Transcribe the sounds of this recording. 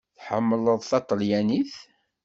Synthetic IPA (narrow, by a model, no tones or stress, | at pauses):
θħəmːələðˤθɑt̪ˤːəljæniθ